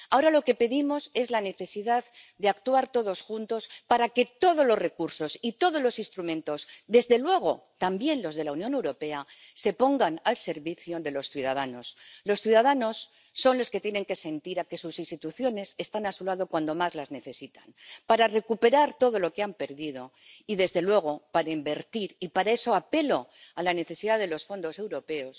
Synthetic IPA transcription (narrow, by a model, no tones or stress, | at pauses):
ao̞ɾalo̞ke̞pe̞ðimo̞se̞zlane̞θe̞siðaðd̪e̞akt̪uaɾt̪o̞ðo̞sxunt̪o̞spaɾake̞t̪o̞ðo̞zlo̞zre̞kuɾso̞sit̪o̞ðozlo̞sinst̪ɾumẽ̞nt̪o̞sd̪e̞zðe̞lwe̞ɣ̞o̞̰ | t̪ambje̞nlo̞zð̞e̞launjone̞wɾo̞pe̞ase̞po̞ŋɡanalse̞ɾβiθjoðe̞lo̞sθjuðað̞ano̞slo̞sθjuðaðano̞sː | o̞nlo̞ske̞t̪jene̞ŋke̞se̞nt̪iɾake̞susinst̪it̪uθjo̞ne̞se̞st̪anasulað̞o̞kwand̪o̞mazlazne̞θe̞sit̪anpaɾare̞kupe̞ɾaɾt̪o̞ð̞o̞lo̞keampe̞ɾðið̞o̞ | iðe̞zðe̞lwe̞ɣ̞o̞paɾaimbe̞ɾt̪iɾipaɾae̞so̞ape̞lo̞alane̞θe̞siðaðe̞lo̞sfo̞nd̪o̞se̞wɾo̞pe̞o̞s